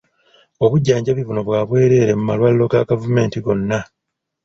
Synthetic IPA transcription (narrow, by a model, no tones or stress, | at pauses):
o̞βuɟːaːɲɟaβivuno̞βwaːβwe̞ːɾe̞ːɾe̞mumalwalːo̞ɡaɡavume̞ːntiɡo̞nːa